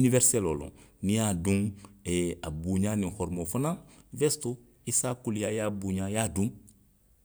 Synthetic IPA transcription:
inivɛɾsɛlolɔ̰̃nĩjadũŋɛabuɲaːnĩhɔɾmofanãvɛsto | isakulijajabuɲãjadũŋ

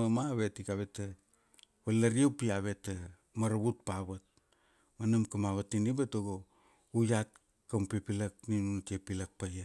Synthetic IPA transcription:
amaβetikaβeta | βalːaɾiepiaβeta | maɾaβut̚paβat̚ | manamkamaβatːinibatoɡo | ujat̚ | kampipilakninuntiepilak̚paja

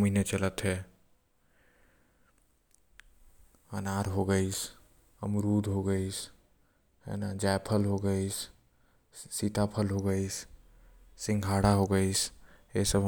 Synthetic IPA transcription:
minet͡ʃələt̪ɦɛ | ənaːɾɦoɡəis | əmɾuːd̪ʱɦoɡəis | ɦɛ̰nad͡ʒaːjpʰəlɦoɡəis | sit̪apʰəlɦoɡəis | sɪ̃ŋɡʱaːɽaɦoɡəisesəbɦ

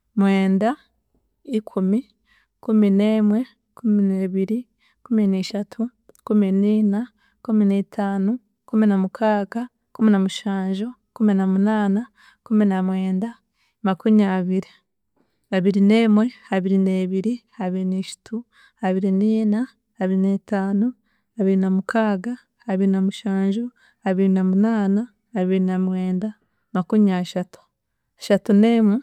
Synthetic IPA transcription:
mwe̞ːnda | ikʰumi | kumineːmwe̞ | kumineːβiɾi | kuminiːʃatʰu | kuminiːna | kuminetʰaːnu | kuminamukʰaːka | kuminamuʃaːɲʒo | kuminamunaːna | kuminamwe̞ːnda | makumiaβiɾi | aβiɾine̞ːmwe̞haβiɾineːβiɾihaβiɾineʃu̥tu | haβiɾiniːna | haβiɾine̞taːno | aβiɾinamukʰaːɡa | haβiɾinamuʃaːɲʒo | aβiɾinamunaːnaː | βiɾinamwe̞ːnda | makumiaʃatu̥ | aʃatune̞mwe

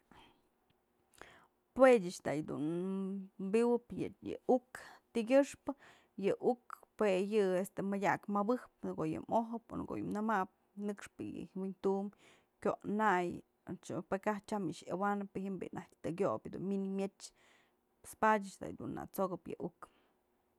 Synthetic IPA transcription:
pwedʲɨt͡ʃt̪a̰ʔjd̪ṵn | mbiwɨpjɨjɨ̰ukt̪iɡʲɨʂpɨ | jɨʔukpwejɨest̪emɨdʲakmabɨhp̚nɡoʔjɨ̰moɦɨpo̰nɡo̰ʔjɨ̰mnɨmaʔp̚ | nɨkʂpɨjɨ̰wint̪um | kʲoʔnaj | pekaht͡ʃamiʂawanɨpɨhimbḭʔnʔahkt̪ɨɡʲobʲd̪ṵnminimjet͡ʃ | spadʲɨt͡ʃd̪a̰jd̪unːa̰t͡soɡɨpjɨ̰ʔuk

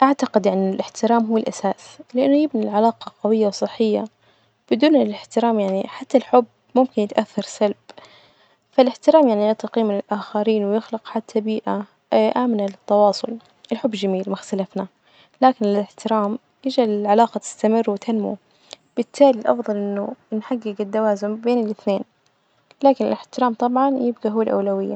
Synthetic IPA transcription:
ʔaʕt̪aqɪd̪ʔɪnːɪlʔɪħt̪ɪɾaːmɦuːɪlʔasaːslɪʔanːʊjɪbnɪlʕalaːqɑqɑwɪjːawsˤɨħːɪjːa̰ | b̥ɪd̪uːnɪlɪħt̪ɪɾaːmjaʕniħat̪ːalħʊbː | mʊmkɪnjɪt̪ʔaθːɑɾˤsalb | falɪħt̪ɪɾaːmjaʕnijɑt̪ˤqiːmɪnɪlʔaːxaɾiːnwɪjɪxlɪqħat̪ʰːabiːʔa | ʔaːmnalɪt̪ːɑwɑːsˤʊ̰l | ʔɪlħʊbːd͡ʒamiːlmʊxt̪alafna | laːkɪnɪɪlɪħt̪ɪɾaːm | jɪd͡ʒalɪlʕalaːqɑt̪ɪ̥st̪amɪrːwɪt̪ʰanmṵ | b̥ɪt̪ʰːaːlilʔɑ̰fðˤɑlʔɪnːʊnħaɡːɪɡɪd̪ːawaːzɪmbeːnɪlʔɪθneːn | laːkɪnɪ̰lɪħt̪ɪɾaːmt̪ˤɑbʕɑnjɪb̚ɡaɦuːalʔa̰wlawɪjːa

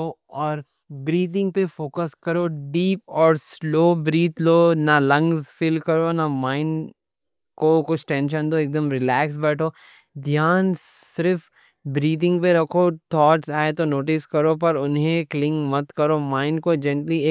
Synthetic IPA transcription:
o | ɔːɾ | bɾiːt̪ɪ̃ŋɡ̚pefoːkəskɐɾoɖiːpɔːɾsloːbɾiːt̪ʰloːnɐlɐ̃ŋɡzfɪlkɐɾonɐmãːɪn | kokʊt͡ʃʰʈɛ̃ːnʃ̬ə̃nd̪oeːk̚d̪əmɾɪlɛːksbɛːʈʰoː | d̪ʱjaːnsɪɾf | bɾiːt̪ɪ̃ŋɡpeɾɐkʰot̪ʰɔːʈsaːet̪onoːʈɪskɐɾopɐɾʊnɦẽklɪ̃ŋkmɐt̪kɐɾomãːɪnkod͡ʒɛ̃ɳʈlieː

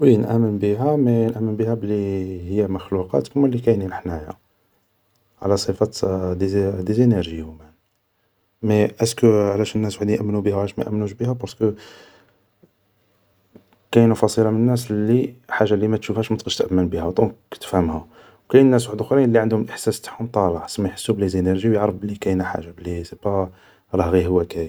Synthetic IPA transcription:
wənʔæ̰mːənbiɦæmænʔæmːənbihæbəlːihəjːæməxluqɑ̰t̪kmːælːikæjninəħnæjæ̰ | ʕ̰læsˤəfɑd̪d̪izinæɾʒijumæn | mæʔæskʕlæʃænnːæswħd̪ninʔmːnubihæwʕlæʃmæ̰ʔæ̰mːnuʃbihæbɑɾskə | kæjnufɑsˤilɑmənənːæslːiħaʒːalimæt̪ʃufhæʃmæt̪qəʃt̪ʔæmːənbihæwd̪ˤũkt̪ə̥fhæmhæ | wkæjnnːæs̬waħəd̪xɾinəlːiʕənd̪hʊmlʔəħsæst̪ḁħhʊmt̪ˤːɑlɑʕsmæjħə̥sːublizinæɾʒiwjʕɾˤəblikæjnæħa̰ʒːablisipæ | ɾˤɑhɣihəwːækæj

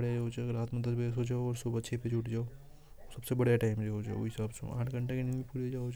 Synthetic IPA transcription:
əɽjad͡ʒeɦod͡ʒaɾat̪məd̪əbesɦod͡ʒaoɔːɾsobətːʃʰeped͡ʒʱuʈd͡ʒao | səbsebəɽjaʈaɪjmd͡ʒeɦod͡ʒa̰oisəbsõ̰ã̰ːʈʰɡəɳʈakeninmipuːɾed͡ʒaɦod͡ʒ

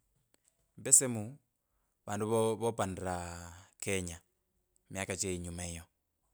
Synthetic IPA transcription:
mbɛsemu | βaːnduββopandiɾakʰeɲa | mjakat͡ʃeiɲumaijo

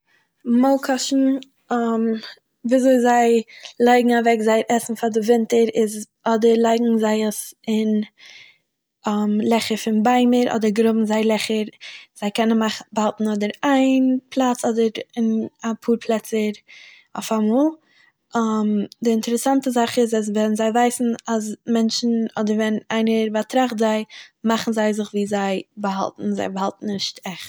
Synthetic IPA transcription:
molˠkʰɔʃn̩ | am | viːazoɪzaɪlˠaɪɡŋ̩avɛkzaɪɾʔɛsn̩fadɪvɪntəɾɪz | ɔdəɾlˠaɪɡŋ̩zaɪəsɪn | amlˠɛχəɾfɪnbaɪməɾʔɔ̰dəɾɡɾʊbm̩zaɪlˠɛχəɾz̥aɪkɛnənmaχbalˠtn̩ɔdəɾaɪnpʰlˠat͡sɔdəɾɪnapʰuːɾpʰlˠɛt͡səɾ | a̰ʊfamɔːlˠ | amdɪɪntɛɾɛsantəzaχɪzas̬vɛnzaɪvaɪsn̩asmɛnt͡ʃn̩ɔdəɾvɛnaɪnəɾbatɾaχtzaɪmaχn̩zaɪzɪχviːzaɪbəɦa̰lˠtn̩za̰ɪbəɦalˠtn̩nɪʃtɛχt

